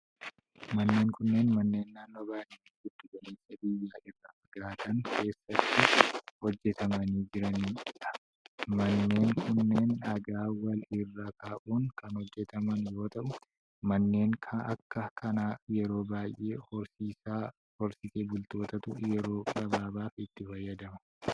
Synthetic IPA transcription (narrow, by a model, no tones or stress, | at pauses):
mɐnːe̞ːŋkʊnːeːnmɐnːe̞ːnːaːnːo̞ːbaːjeːnɪɡʊd̪ːʊɡɐneːsɐbɪjːaːʔɪrːaːʔɐɡaːt̪ɐŋkʰe̞ːsːɐt̪ːɪhɔd͡ʒːɛt̪ʰɐmɐniːd͡ʒɪɾɐniːᶑɐ̥ | mɐnːe̞ːŋkʊnːe̞ːnɐɡaːwɐlɪrːakʰaːʔuːŋkɐnhɔd͡ʒːɛt̪ɐmɐnjo̞ːt̪ɐʔʊ | mɐnːe̞ːŋkʰɐʔɐkːɐkʰɐnajɛɾo̞ːbaːjʔe̞ːhɔɾsiːsaː | hɔɾsɪseːbʊlt̪o̞ːt̪ɐt̪ʊʔʊjɛɾo̞ːkʼɐbaːbaːfɪt̪ːɪfɐjːɐd̪ɐmɐ